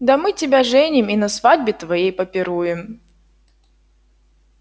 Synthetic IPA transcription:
d̪ɐmɨtʲɪbʲaʐɛnʲɪminɐsvadʲbʲɪt̪vɐjejpɐpʲɪɾujɪm

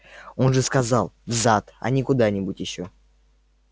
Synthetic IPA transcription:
o̞nʐɨskazɑlˠvzat̪a̰nʲɪkʊd̪anʲɪbutʲjɪɕːo

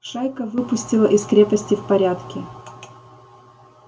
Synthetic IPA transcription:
ʂajkəvɨpʊsʲtʲɪlˠəʔɪskɾʲepəsʲtʲɪfpɐɾʲat̪kʲɪ

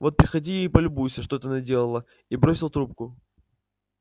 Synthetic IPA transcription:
vo̞t̪̚pɾʲɪxɐdʲijejpəlʲʊbujsʲəʂt̪ot̪ənɐdʲelˠəlˠə | ibɾosʲɪlˠt̪ɾup̚kʊ

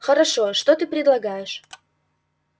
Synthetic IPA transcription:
xəɾɑʃoʃt̪ot̪ɨprʲed̪lˠɑɡɑjəʃ

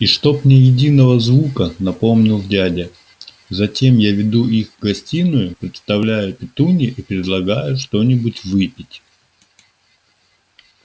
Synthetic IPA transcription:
iʂt̪o̞pmnʲejɪdʲinəvəzvukənɐpo̞mnʲɪlˠdʲædʲə | zɐtʲe̞mjavʲɪd̪uʔixɡɐsʲtʲinʊjʊpɾʲɪt̪st̪ɐvlʲæjʊpʲɪt̪unʲɪʔipɾʲɪd̪lˠɐɡajʊʂt̪o̞nʲɪbʊtʲvɨpʲɪtʲ

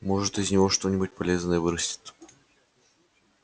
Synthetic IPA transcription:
mo̞ʐɨt̪ɪzʲnʲɪvo̞ʂt̪o̞nʲɪbut̚ʲpɐlʲeznəjəvɨɾəsʲtʲɪ̥t̪

